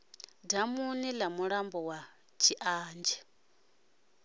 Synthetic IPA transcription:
damunilamuɺambɔwa | t͡ʃʰiʔaːnd͡ʒɛ

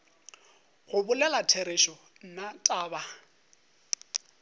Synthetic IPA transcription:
ɣʊbʊlɛlatʰeɾeʃɔ | n̩natʼaːba

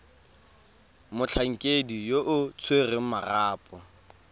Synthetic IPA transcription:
mʊt͡ɬʰaŋ̩kʼedijoʔʊt͡sʰwerɪŋʊmaraːpʼɔ

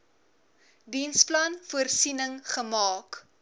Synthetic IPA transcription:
dinsplɐnfuərsinəŋχəmɑːk

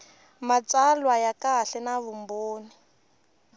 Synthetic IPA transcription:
mat͡salwajakaɬɛnaβumboːni

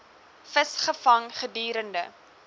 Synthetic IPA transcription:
fəsχəfɐŋχədiːɾəndə

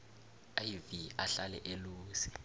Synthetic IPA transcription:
ajviaɬalɛ̰ʔeluːsi̥

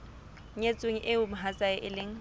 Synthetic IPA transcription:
ɲet͡sʼʊŋ̩ʔɪʊmʊɦat͡sʼaɪʔɪleŋ̩

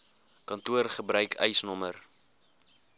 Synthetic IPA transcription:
kɐntuərχəbɾœɥkʰœ̰jsnɔmər

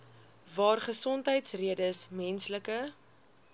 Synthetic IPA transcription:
vɑːrχəsɔntɦəjtsriədəsmɛnsləkə

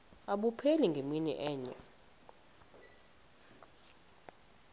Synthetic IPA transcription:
aɓupʰeliŋɡʱeminɛ̰ʔɛːɲɛ

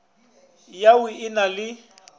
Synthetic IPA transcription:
jaʊɪnalɪ

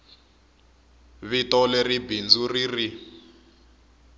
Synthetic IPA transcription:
βitɔleribind͡zuriri

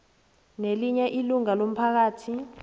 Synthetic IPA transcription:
neliɲɛʔiluŋalom̩pʰak̬aːtʰi

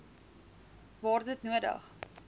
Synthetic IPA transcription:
vɑːrdətnuədə̰χ

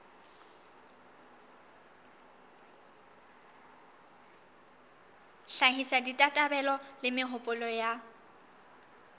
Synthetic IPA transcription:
ɬaɦisaditʼatʼabɛlɔlɪmɪɦʊpʼʊlɔja

